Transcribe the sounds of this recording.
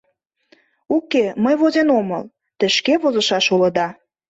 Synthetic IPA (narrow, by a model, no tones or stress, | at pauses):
ukeməjβozenomɤ̰l | t̪ə̆ʃkeβozəʃɑʃulɤ̆d̪ɑ